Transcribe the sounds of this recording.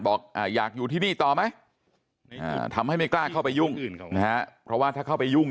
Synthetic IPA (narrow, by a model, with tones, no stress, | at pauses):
bɔː˨˩k̚ʔaː˧˩jaː˨˩k̚juː˨˩iː˥˩niː˥˩t̪ɔː˨˩ma˦˥j | ʔa̰ː˨˩t̪ʰa˧mha˥˩jma˥˩jklaː˥˩kʰa˥˩wpa˧jːu˥˩ŋ˨na˦˥a˦˥ʔpʰɾɔ˦˥waː˥˩t̪ʰaː˥˩kʰa˥˩wpa˧ju˥˩ŋ